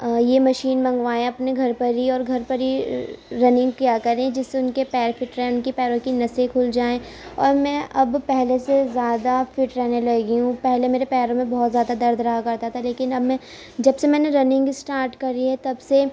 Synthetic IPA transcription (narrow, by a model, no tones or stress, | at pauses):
jemɐʃiːnmɐ̃ŋɡʋaːẽɐpneɡʱɐɾpɐɾiɔːɾɡʱɐɾpɐɾiɾɐnɪ̃ŋɡ̚kjaːkɐɾẽd͡ʒɪsːeʊnkepɛːɾfɪʈɾɛ̃ʊnkipɛːɾõkinɐsekʰʊld͡ʒaːẽ | ɔ̰ːɾmɛ̃ʔɐbpɛɦlesezjaːd̪afɪʈɾɛɦnelɐɡiɦũpɛɦlemeːɾepɛːɾõmẽbɔɦt̪zjaːd̪ad̪ɐɾd̪ʱɾɐɦakɐɾt̪at̪ʰaleːkɪnɐbmɛ̃ː | d͡ʒɐbsemɛ̃ːneɾɐnɪ̃ŋɡsʈaːɾʈkɐɾiɦɛt̪ɐbse